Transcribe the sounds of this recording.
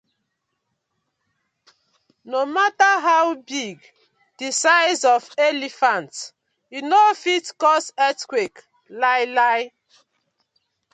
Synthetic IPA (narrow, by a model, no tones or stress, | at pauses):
nomataɦawbiɡ | d̥isaɪzɔfelifãnt | inofitkɔsɛtkwek | laɪlaɪ